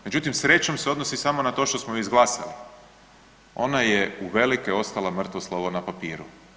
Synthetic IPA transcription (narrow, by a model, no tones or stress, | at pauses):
me̞d͡ʑut̪imsɾe̞t͡ɕo̞mseo̞d̪nosisamo̞nat̪o̞ʃt̪osmojizɡlˠaːsa̰li | o̞̰najeuʋe̞likeo̞st̪alˠamr̩t̪ʋoslˠoʋonapapiːɾu